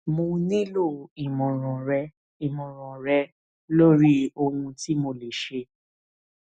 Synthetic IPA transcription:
mõ˧nĩ˦lo˦˨i˨mɔ̃˨ɾ̃ɔ̃˨ɾɛ˧˦ | i˨mɔ̃˨ɾ̃ɔ̃˨ɾɛ˧˦ | lo˦ɾi˦o˧nũ˧ti˦mo˧le˨ʃe˧

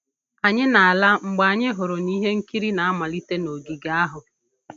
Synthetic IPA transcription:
a˨ɲɪ˦na˨a˨la˦ŋ͡m̩˨ɡ͡ba˨ɲɪ˦ɦʊ˨ɾʊ˨ni˦ɦe˦ŋ̩˦ki˦ɾi˦na˨a˦ma˨li˦te˦no˨ɡi˨ɡa˦a˦ɦʊ˨

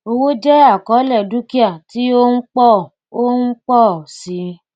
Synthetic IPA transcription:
o˧wo˦d͡ʒɛ˦a˦˨kɔ˨˦lɛ˧˨du˦ki˦a˦˨ti˦o˦n̩˦k͡pɔ˦˨ | o˦n̩˦k͡pɔ˦˨si˨˦

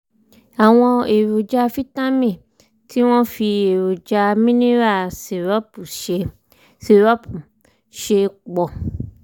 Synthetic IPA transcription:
a˨w̃ɔ̃˧e˨ɾu˨d͡ʒa˧fi˦ta˦mĩ˦˨ | tʰi˦w̃ɔ̃˦fi˧e˨ɾo˨d͡ʒa˧mĩ˦nĩ˦ɾa˦˨se˨ɾɔ˦pu˨ʃe˧ | se˨ɾɔ˦pu˨ | ʃe˧k͡pɔ˨

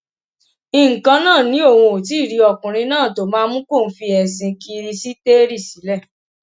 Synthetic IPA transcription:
i˨ŋ̩˨kã˧nãː˦˨nĩ˦o˦˨wũ˧o˨ti˨˦˨ɾi˨˧ɔ˨kũ˨ɾ̃ĩ˧nãː˦˨to˨˦mãː˦mũ˦ko˦˨n̩˨˦fi˧ɛ˨sĩ˧ki˧ɾi˧si˦te˦ɾi˦˨si˨˦lɛ˦˨

